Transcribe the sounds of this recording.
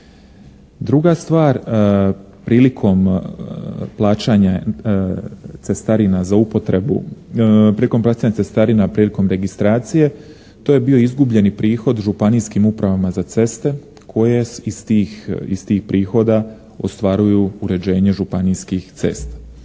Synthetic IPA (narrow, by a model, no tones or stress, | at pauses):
d̪ɾuɡast̪ʋaːɾ | pɾiːlikʰo̞m | plˠaːt͡ʃaɲa | t̪se̞st̪aɾinazaupo̞t̪ɾe̞bṵpɾiliko̞mplˠaːt͡ʃaːɲat̪est̪aɾinapɾiːliko̞mɾe̞ɡist̪ɾaːt̪sije̞ | t̪o̞ːje̞bio̞izɡubʎe̞nipɾiːxo̞d̪ʒupaniːskimupɾaʋamazat̪se̞st̪e̞ | kʰo̞jeiist̪iːxpɾʔiːxo̞d̪a | o̞st̪ʋaɾujuuɾe̞d͡ʑe̞ːɲe̞ʒupaniːskixt̪se̞̰st̪